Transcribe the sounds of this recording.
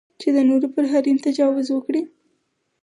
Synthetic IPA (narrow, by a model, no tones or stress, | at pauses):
t͡ʃed̪ənoɾopəɾɦaɾint̪ad͡ʒɑwɪzwəkɽi